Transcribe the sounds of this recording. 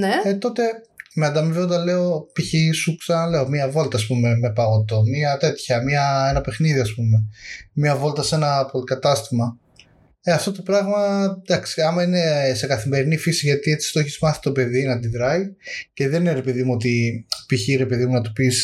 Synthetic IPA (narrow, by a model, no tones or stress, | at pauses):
neet̪o̞t̪e̞meɐnd̪ɐmiveod̪ɐle̞opiçisuksɐnɐle̞o̞miɐvo̞lt̪ɐːspume̞me̞pɐɣo̞t̪o̞miɐt̪e̞t̪çɐmiɐe̞nɐpe̞xniðiɐspumemɲɐvo̞lt̪ɐse̞nɐpo̞likɐt̪ɐst̪imɐ | eɐft̪o̞t̪o̞pɾɐɣmɐd̪ɐksiɐmɐine̞se̞kɐθime̞ɾinifisiʝɐt̪iet͡si̥st̪oçi̥smɐθi̥t̪o̞pe̞ðinɐnd̪iðɾɐice̞ðenineɾepeðimuo̞t̪̬ipiçiɾepe̞ðimunɐt̪upis